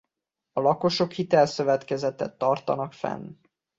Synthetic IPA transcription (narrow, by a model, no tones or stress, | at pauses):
ɒlɒko̞ʃo̞khit̪ɛlsø̞vɛt̪kɛzɛt̪ɛt̪ːɒrt̪ɒnɒkfɛ̰n